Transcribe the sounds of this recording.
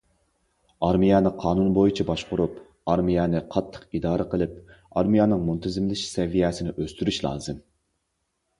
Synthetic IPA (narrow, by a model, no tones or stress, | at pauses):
ɑɾmijɑːnɨqʰɑːnunbojit͡ʃʰɛbɑʃqʊɾup | ɑɾmijɛːnɪqʰɑt̪ʰːə̥qid̪ɑːɾɨqʰəlˠɪp̚ | ɑɾmijɑːnɨŋmunt̪ʰɪzɪmlɪʃsɛvijɛːsɪnɪʔøst̪yɾyʃlˠɑ̰ːzɨm